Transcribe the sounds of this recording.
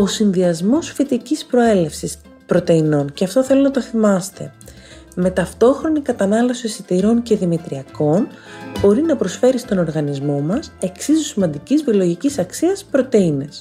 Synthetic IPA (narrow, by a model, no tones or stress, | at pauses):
o̞sinðiɐzmo̞sfit̪icispɾo̞e̞le̞fsis | pɾo̞t̪e̞ino̞nceɐft̪o̞θe̞lonɐt̪o̞θimɐst̪e̞̰ | me̞t̪ɐft̪o̞xɾo̞nikɐt̪ɐnɐlo̞sisit̪iɾo̞ɲce̞ðimit̪ɾiɐko̞nbo̞ɾinɐpɾo̞sfe̞ɾist̪o̞no̞ɾɣɐnizmo̞mɐse̞ksizusimɐnd̪icizviolo̞ʝicisɐksiɐspɾo̞t̪e̞ine̞s